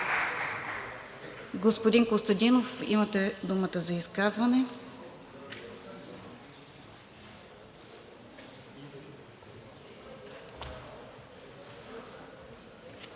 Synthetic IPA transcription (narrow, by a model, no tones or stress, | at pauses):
ɡospod̪iŋkost̪ɐd̪inofimɐt̪ɛd̪umət̪əzɐiskazvɐnɛ